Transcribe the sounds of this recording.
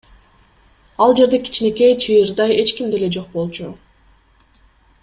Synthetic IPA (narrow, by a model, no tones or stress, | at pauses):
ɑlˠd͡ʒe̞ɾd̪e̞kʰi̥t͡ʃne̞ke̞jt͡ʃʰɯjɯɾd̪ɑje̞t͡ʃkimd̪e̞le̞d͡ʒo̞q̚bo̞lˠt͡ʃu